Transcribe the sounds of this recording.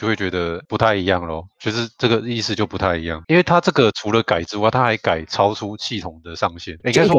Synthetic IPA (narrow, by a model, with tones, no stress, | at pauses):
jo˥˧xwe˥˩t͡ɕɥɛ˧˦d̪ə˧pu˧˥t̪ʰa˥˩ɪi˧˥jɑ˥˨˩ŋlo˨˩wt͡ɕʰɥɛ˧˥ʂɻ̩˥˧ʈ͡ʂɤ˥˩ɡə˩i˥˧s̩˥˧t͡ɕjo˥˩ʊpu˧˥t̪ʰa˥˩ɪi˧˥jɑ˥˩ŋi˥nwe˥˩ɪt̪ʰa˥ʈ͡ʂɤ˥˩ɡə˨ʈ͡ʂʰu˧˥lə˨ka˨˩ɪʈ͡ʂɻ̩˥wa˥˩ɪt̪ʰa˦xa˧˥ɪka˨˩ɪʈ͡ʂʰɑ˦˥ʊʈ͡ʂʰu˦ɕʰi˥˨t̪ʰʊ˨˩ŋd̪ə˨ʂɑ˥˧ŋɕjɛ˥˩n˨˧˥ŋka˥s